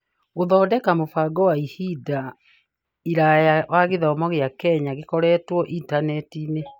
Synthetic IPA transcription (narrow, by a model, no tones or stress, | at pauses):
ɣoðɔːdɛkamofaɡɔwaihida | iɾajawaɣeðɔːmɔɣeakɛɲaɣekɔɾɛtwɔʔintanɛtine